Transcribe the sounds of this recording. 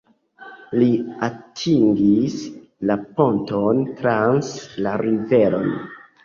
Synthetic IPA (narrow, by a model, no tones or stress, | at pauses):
liatʰiŋɡis | lapo̞ntontɾanslaɾive̞ɾo̰n